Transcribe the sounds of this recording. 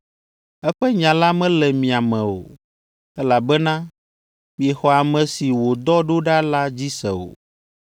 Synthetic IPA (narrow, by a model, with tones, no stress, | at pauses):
ɛ˦ɸɛ˦ɲã˨la˦mɛ̃˦lɛ˨mĩ˨a˨mɛ̃˨o̰˨ | ɛ˦la˨bɛ˦nã˦ | mĩ˨e˨xɔ˨a˨mɛ̃˨si˨wo˨d̪ɔ˦ɖo˦ɖa˦la˦d͡ʑi˦sɛ̰˨o̰˨